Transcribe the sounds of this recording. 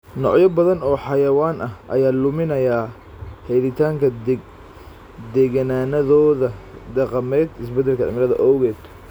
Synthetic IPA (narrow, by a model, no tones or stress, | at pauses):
nɔ̰ʕjɐbɐðɐnɔːħɑjɐwaːnɐhʔɐ̰jaːlʊmɪnɐjaː | hɛjðɪt̪ʰaːŋkʰɐ | d̪ɛːɣɐnaːnɐðɔːðɐd̪ɑqɑmɛːd̪ɪs̬bɛd̪ːɛlkʰɐ̰mɪɾɐðɐ̰ʔɔwɣɛːd̪